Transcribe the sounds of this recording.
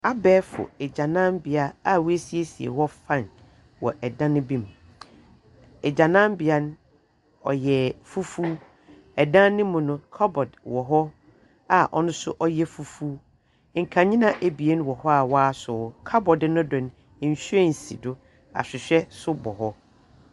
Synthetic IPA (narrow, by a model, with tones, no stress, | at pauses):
a˦bɛː˦fʊ̰˨ɛ˨d͡ʑã˨nã˦m˦bɪ˨a˦a˦˨wu˦e˦si˨e˦si˨ḛ˨hɔ˦fã˦˨n | wɔ̰˨ʔɛ˨dã˦nʊ̃˦bĩ˦m˨ | ɛ˨d͡ʑã˨nã˦m˦bɪ˨a˦nʊ̃˦ | ɔ̰˨jɛ˨fu˦fuː˦ | ɛ˨dã˦nɪ̃˦mʊ̃˨nʊ̃˦kʰa˦bɔ˨dwɔ˨ɦɔ˦ | a˨ʔɔ̰˦nʊ̃˦sʊ˦ʔɔ˦jɛ˦fu˨fu˦ | ŋ̩˨kʰã˨ɲĩ˦nã˨ʔe˨bi˨e˦ñ˦wɔ˨hɔ˦a˨wɔ˦a˦sʊ˨kʰa˦bɔ˨dnʊ̃˦dʊ̃˨ñ̩˦˨ | ɕᶣɛ˦˨n̩˨si˨dʊ˦ | a̰˨ɕᶣɪ˨ɕᶣɛ˦sʊ˦bɔ˨ɦɔ˦